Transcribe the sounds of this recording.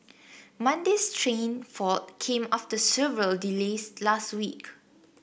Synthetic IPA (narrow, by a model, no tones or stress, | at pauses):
mãndestʰɹẽnfɔt̚kʰẽmaftəsɛvəɹəldileslastwik